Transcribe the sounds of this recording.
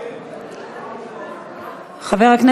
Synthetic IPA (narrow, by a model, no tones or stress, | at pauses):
χaveʁhakne